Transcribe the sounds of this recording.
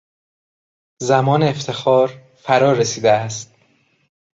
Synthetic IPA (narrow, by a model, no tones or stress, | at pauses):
zæmɒːneːft̪ʰe̞xɒːɾ | fæɾɒːɾesiːd̪eæst̪̚